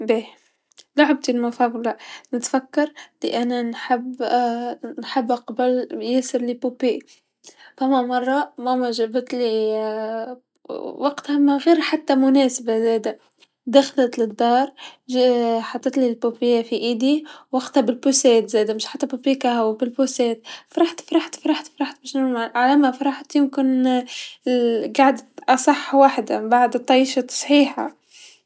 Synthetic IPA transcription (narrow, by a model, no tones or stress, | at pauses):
be | lʊʕb̚t̪ilmafablanɪt̪fakːɑɾˤd̪ḭʔananħab | nħabːaqɑbaljɪsɪɾlipupiː | famamɑrˤːɑmamaʒabɪt̪li | wɑɡt̪hamaɣiːɾħat̪ːamʊneːsabazeːd̪a | d̪axlat̪lɪd̪ːɑːɾˤ | ħɑt̪ˤːɨt̪lilpopɪjafiʔid̪iwaqt̪abɪlbuseːt̪zeːd̪amɪʃħat̪ːabupiːkaawbɪlpuseːt̪fɾˤɑħt̪fɾˤɑħt̪fɾˤɑħt̪fɾˤɑħt̪̚beʃnamaʕalamafɑɾˤɑħt̪jʊmkɪn | ɡaʕd̪aʔɑsˤɑħːwaːħd̪abaʕd̪t̪ˤːɑʃɑt̪ɑ̥sˤħiːħa̰